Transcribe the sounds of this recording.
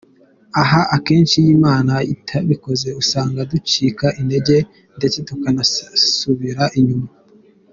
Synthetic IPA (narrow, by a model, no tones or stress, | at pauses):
aɦaʔake̞ːnʃijiːmaːnaitʰaβiko̞ze̞usaːŋɡadut͡ʃiːkaʔinde̞ɟe̞ | nde̞t͡se̞tukanasuβiɾaʔiɲuma